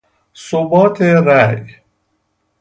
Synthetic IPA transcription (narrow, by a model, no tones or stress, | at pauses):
sobɔːt̪ʰeɾæj